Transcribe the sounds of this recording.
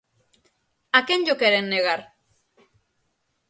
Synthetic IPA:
akenʎokeɾenːeɣ̞aɾ

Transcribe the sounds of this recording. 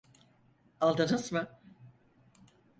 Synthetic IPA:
alˠd̪ɯnɯsmɯ

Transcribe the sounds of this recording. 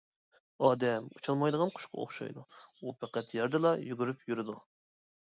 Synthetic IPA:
ɑːd̪ɛmut͡ʃʰɑlˠmɑjd̪əʁɑnqʰʊ̥ʃqʰɑ̰o̰χʃɑ̰jd̪uupʰɛqæt̪jɛɾd̪ɨlˠɑjyɡʲyɾypʰjyɾɪd̪u

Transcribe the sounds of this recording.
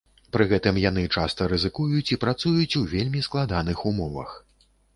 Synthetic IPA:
pɾɨɣɛt̪ɨmjan̪ɨt͡ʂast̪ɐɾɨzɨkujut͡sʲipɾat̪sujut͡sʲuvʲelʲmʲisklˠad̪anɨxumɔvɐ̰x

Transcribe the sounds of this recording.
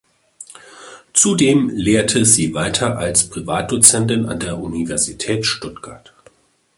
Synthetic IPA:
t͡sudeːmleːɐtʰəziːvaɪtʰɐʔalspʁ̥ivaːt̚d̥ut͡sɛntɪna̰ndeːɐʔunivɛɐzitʰɛːtʃtʊtɡ̥aɐt

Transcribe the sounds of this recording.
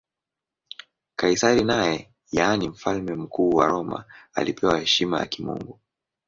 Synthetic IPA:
kaisaɾinajɛ | jaːnim̩falmɛm̩kuːwaɾɔma̰a̰lipʰɛwahɛʃimaja̰kimṵŋɡu

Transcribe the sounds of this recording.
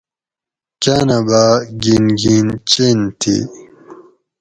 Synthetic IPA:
kanabaɡinɡint͡ɕent̪ʰḭ

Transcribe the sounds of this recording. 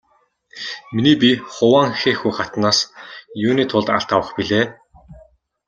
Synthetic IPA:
miniːpʲiχʊwaːŋxeːxujχat̪naːsjuːniːt̪ʰʊɮt̪a̰ɬt̪awə̆χpiɮeː

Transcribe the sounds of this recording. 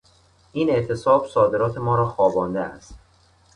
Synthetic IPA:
ʔiːne̞ʔt̪ʰe̞sɒːb̥sɒːd̪e̞ɾɒːt̪ʰe̞mɒːɾɒːxɒːbɒːnd̪eæ̰st̪

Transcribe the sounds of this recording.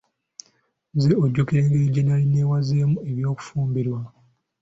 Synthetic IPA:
zeoɟːukiɾeːŋɡeːɟinalinewazeːmue̞βjo̞ːku̥fuːmbiɾwa

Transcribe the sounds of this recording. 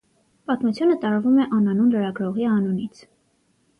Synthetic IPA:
pɑt̪mut͡sʰjunət̪ɑɾvumɛʔɑnɑnunləɾɑɡɾɔʁiɑnunit͡sʰ

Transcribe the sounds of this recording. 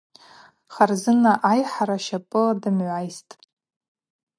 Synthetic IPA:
χarzɨnaʔajħaɾaʃapʼɨladɨmʕʷajstʼ

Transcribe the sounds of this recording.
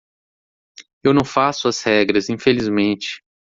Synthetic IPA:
ewnɐ̃w̃fasʊɐshɛɡɾɐzĩfelizmẽnt͡ʃɪ̥

